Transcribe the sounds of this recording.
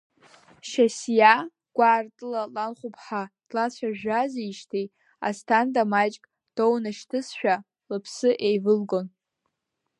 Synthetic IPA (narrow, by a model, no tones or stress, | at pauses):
ʃasja | ɡ̥ʷaːrtʼɨlalanχʷupʰħad̥lat͡ɕʷʰaʒᶣazeiʃtʰej | a̰stʰandʼamat͡ʃʼkʼ | d̥ownaʃtʰɨsʃʷᶣa | lɨpʰsɨʔejvɨlɡon